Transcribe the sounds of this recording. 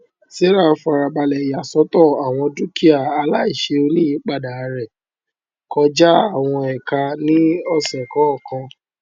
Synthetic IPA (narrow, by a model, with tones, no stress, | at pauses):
si˦ɾa˦˨˧fa˧ɾa˧ba˧lɛ˨ja˨sɔ˨˦tɔ˦˨a˨w̃ɔ̃˧du˦ki˦a˦˨a˧la˦i˦˨ʃe˧o˧lĩ˦ĩ˨˦k͡pa˦˨da˨˧ɾɛ˨ | kɔ˧˦d͡ʒa˦a˦˨w̃ɔ̃˧ɛ˨ka˧nĩ˦ɔ˦˨sɛ˨kɔ˨˦ɔ˦˨kã˧